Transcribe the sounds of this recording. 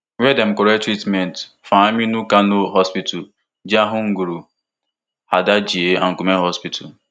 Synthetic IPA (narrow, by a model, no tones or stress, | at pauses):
wʷedem̩koɾetɾitment | faminukanʊɦɔspitul | d͡ʒiaɦʊŋ̩ɡuɾu | hadad͡ʒieaŋ̩kumeɦɔspitʰul